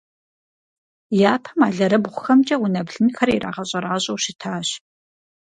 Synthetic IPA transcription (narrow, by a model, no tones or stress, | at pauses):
jaːpʰɐ̥maːɮɐɾɐbʁʷʊxɐmt͡ʃʼɐwʊnɐbɮɨnxɐrirʔa̰ːʁɐɕʼɐɾaːɕʼɐwɕɪtʰaːɕ